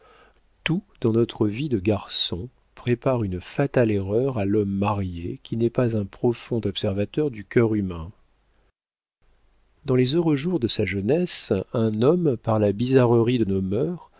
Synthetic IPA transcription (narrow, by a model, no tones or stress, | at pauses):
t̪ud̪̥ɑ̃nɔt̪χəvid̪əɡaʁsɔ̃ | pχepaʁynfat̪aleʁœʁalɔmːaʁjekʲʰinɛpazɛ̃pχɔfɔ̃d̪ɔpsɛʁvat̪œʁd̪ykʲœʁymɛ̃ | d̪ɑ̃lezøʁøʒuʁd̪əsaʒənɛsɛ̃nɔmpaʁlabizaʁəʁid̪ənomœʁ